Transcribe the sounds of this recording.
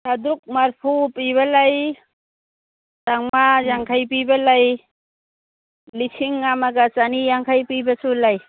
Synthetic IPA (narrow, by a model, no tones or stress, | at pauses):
sʰad̪uk̚maɾpʰupiβalaj | taŋmajaŋkʰajp̬ibalaj | lisʰiŋamaɡat͡ʃanijaŋkʰajpijbasulaj